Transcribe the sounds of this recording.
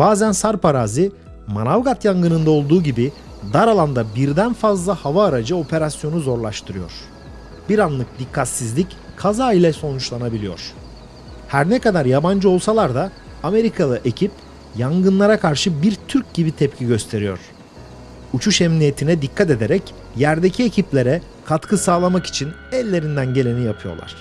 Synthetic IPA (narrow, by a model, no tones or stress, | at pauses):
b̥aːzænsaɾpʰaɾaːzi | manavɡat̪jaŋɡɯnɯnd̪ao̞lˠd̪uːɟibi | d̪aɾalˠand̪abiɾd̪ænfazlˠahavaːɾad͡ʒɯo̞pʰe̞ɾasjo̞nuzo̞ɾlˠaʃt̪ʰɯɾɯjo̞̰ɾ̥ | biɾanlˠɯk̚d̪ikʰːat̪sizlʲic | kʰazaːilʲɛso̞nut͡ʃlˠanabilʲijo̞̰ɾ̥ | hæɾnɛkad̪aɾjaband͡ʒɯo̞lˠsalˠaɾd̪aː | me̞ɾikʰalˠɯʔe̞cʰip | jaŋɡɯnlˠaɾakʰaɾʃɯbiɾt̪ʰyɾc̚ɟibit̪ʰɛpcʰiɟø̞st̪ʰe̞ɾijo̞̰ɾ̥ | ut͡ʃʰuʃɛmnije̞t̪ʰinɛd̪ikʰːat̪e̞d̪e̞ɾɛc | jæɾd̪e̞cʰiecʰiplʲe̞ɾɛ | kʰat̪kʰɯsaːlˠamaki̥t͡ʃʰin | ɛlʲːe̞ɾind̪ænɟe̞lʲe̞nijapʰɯjo̞̰lˠa̰ɾ̝̥